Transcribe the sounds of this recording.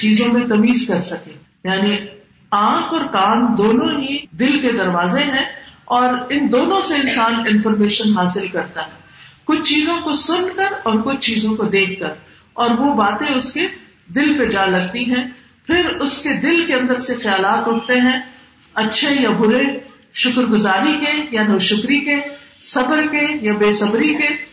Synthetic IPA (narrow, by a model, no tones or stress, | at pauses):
t͡ʃiːzõmẽt̪ɐmiːzkɐɾsɐkẽ | jaːni | ãːkɔːɾkaːnd̪oːnõɦid̪ɪlked̪ɐɾʋaːzeɦɛ̃ɔːɾɪnd̪oːnõseɪ̃nsaːnɪ̃nfɔɾmeːʃənɦaːsɪlkɐɾt̪aɦɛː | kʊt͡ʃʰt͡ʃiːzõkosʊnkɐɾɔːɾkʊt͡ʃʰt͡ʃiːzõkod̪eːkːɐɾ | ɔːɾʋobaːt̪ẽʊske | d̪ɪlped͡ʒaːlɐɡ̚t̪iɦɛ̃ː | pʰɪɾʊsked̪ɪlkeɐ̃nd̪əɾsexɐjaːlaːt̪ɾʊʈʰt̪eɦɛ̃ː | ɐtːʃʰejabʱʊɾe | ʃʊkɾɡʊzaːɾikejanoːʃʊkɾikesɐbəɾkejabeːsɐbɾike